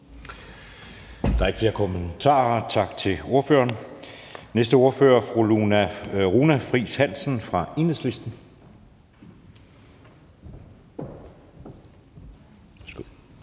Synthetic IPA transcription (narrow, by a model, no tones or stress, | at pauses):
d̥ɑ̈eɡ̥fle̝ːɐkʰomənt͡sʰɑ̰̈ːt͡sʰɑ̈ɡ̥t͡sʰe̝lo̝ɐfø̰ːɐːn | nesd̥əo̝ɐfø̰ːɐfʁuluæʁunæfʁḭːshæn̰sən̩fʁɑ̈enəsle̝sd̥n̩